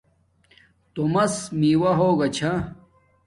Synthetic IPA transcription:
t̪omɐsmiːwɐɦoːɡɐt͡ɕʰa

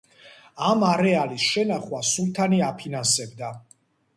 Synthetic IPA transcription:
amaɾɛalisʃɛnaχwasulˠt̪ʰaniapʰinansɛbd̪a

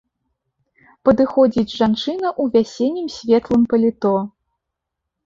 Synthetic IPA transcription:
pɐd̪ɨxɔd͡zʲid͡zʲʐant͡ʂɨnɐʔuvʲasʲɛnʲːimsʲvʲɛt̪lˠɨmpɐlʲit̪ɔ

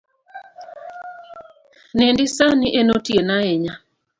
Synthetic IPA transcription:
nendisaniʔenotienaeɲa

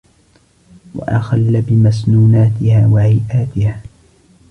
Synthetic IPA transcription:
wa̰ʔaxalːabɪmasnuːnaːt̪ɪhaːwaʕajʔaːt̪ɪhaː

